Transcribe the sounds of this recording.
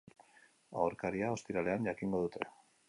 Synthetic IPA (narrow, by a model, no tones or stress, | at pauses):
a̰oɾkaɾiao̞st̪iɾale̞anʎakiŋɡo̞ðut̪ʰe̞̰